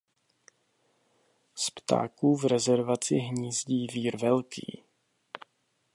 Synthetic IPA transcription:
spt̪a̰ːkuːvɾɛzɛɾvat͡sɪɦɲiːzɟiːviːɾvɛlkḭː

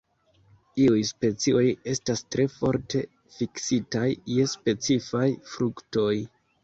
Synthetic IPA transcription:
iujspe̞t͡sio̞je̞stastɾe̞fo̞̰ɾte̞ | fiksitajːe̞spe̞t͡sifajfɾukto̞j

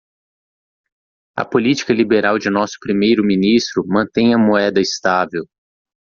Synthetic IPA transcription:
ɐ̰polit͡ʃi̥kɐlibeɾawd͡ʒɪnɔsʊ̥pɾimejɾʊmĩnist̪ɾʊmɐ̃t̪ẽj̃ɐmoɛd̪ɐɪst̪avew

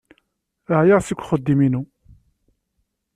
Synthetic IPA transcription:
əhjaʁsikʷːχəd̪ːiminu

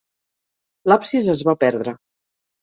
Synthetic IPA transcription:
lapsizəzβapɛɾðɾə

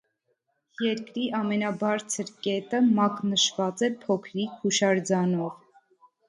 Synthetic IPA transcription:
jɛɾkɾiʔɑmɛnɑbɑɾt͡sʰəɾkɛt̪əmɑknəʃvɑt͡sɛpʰɔkʰɾikʰuʃɑɾd͡zɑnɔv

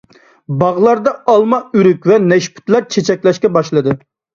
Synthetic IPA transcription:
bɑʁlˠɑɾd̪ɑɑlˠmɑyɾykʲvɛnɛʃpʰy̥t̪læɾt͡ʃʰet͡ʃʰɛkʲlɛʃkʲɛbɑʃlˠɨd̪ɨ

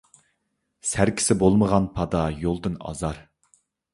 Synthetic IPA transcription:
sæɾkʲʰɪ̥sɪbolˠməʁɑnpʰɑd̪ɑjolˠd̪ɨnɑ̰zɑɾ

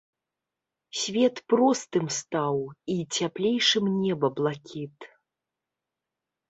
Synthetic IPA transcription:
sʲvʲɛt̪pɾɔst̪ɨmst̪awit͡sʲaplʲejʂɨmnʲɛbɐblˠakʲit̪

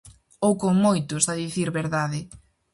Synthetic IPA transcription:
owkoŋmojt̪ʊzðɐðiθiɾβeɾðaðɪ

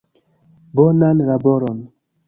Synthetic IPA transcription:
bɔnanɾabɔɾɔn

